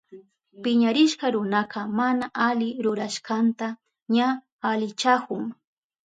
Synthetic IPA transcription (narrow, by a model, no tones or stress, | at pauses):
pɪɲaɾɪʃkɑɾʊnaqɑmanaʔalɪɾʊɾaʃkant̪a | ɲa | alɪt͡ʃakʊŋ